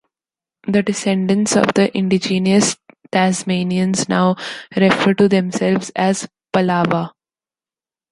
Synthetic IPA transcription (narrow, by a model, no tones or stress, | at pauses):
d̪əɖɪsẽɳɖə̃nsɔ̰ʋd̪əʔɪ̃ɳɖid͡ʒĩːniəst̪æzmẽːniə̃nzna̰ʊɾɛfəɾʈud̪ẽmsɛlʋzæz | pəlaːʋa